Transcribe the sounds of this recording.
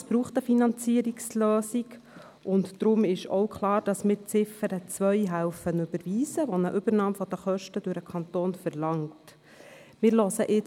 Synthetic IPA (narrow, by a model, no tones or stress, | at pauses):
sb̥ɾuːχt̪əfinɑnt͡siəɾiksløːsik | ʔʊntd̥ɾʊmɪʃɔwkχlɑːɾd̥ɑsmɪːɾt͡sɪfəɾət͡sʋœjɦælfənʉbəɾʋiːzəʋɔnəʔʏbəɾnɑːmfɔd̥̪əχœʃtəd̥ʉɾəkʰɑnt̪oːnfɛɾlɑŋt | mɪɾlɔsəʔɪ